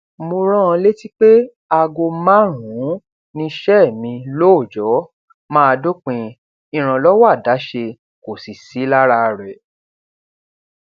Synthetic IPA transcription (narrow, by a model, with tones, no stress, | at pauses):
mo˧ɾ̃ɔ̃˦ɔ̃˧le˦ti˦k͡pe˦ | a˧ɡo˧mã˦˨ɾ̃ũ˨˦ | nĩ˧ʃɛ˦˨mĩ˧lo˦o˦˨d͡ʒɔ˨˦ | mãː˦a˧do˦k͡pĩ˧ | ĩ˧ɾ̃ã˧lɔ˦wa˦˨da˨˦ʃe˧ | ko˨si˨si˨˦la˦ɾa˦˧˨ɾɛ˨